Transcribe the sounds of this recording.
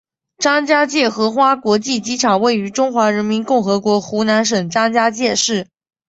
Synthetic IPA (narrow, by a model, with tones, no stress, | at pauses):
ʈ͡ʂɑ˥ŋt͡ɕja˥t͡ɕjɛ˥˩xɤ˧˥xwa˥kwɔ˧˥t͡ɕi˥˩t͡ɕi˥ʈ͡ʂʰɑ˨˩ŋwe˥˩ɪy˧˥ʈ͡ʂʊ˥ŋxwa˧˥ɻə˧˥nmi˧˥nkʊ˥˩ŋxɤ˧˥kwɔ˧˥xu˧˥na˧˥nʂ̬ɤ˨˩ŋʈ͡ʂɑ˥ŋt͡ɕja˥t͡ɕjɛ˥˧ʂɻ̩˥˩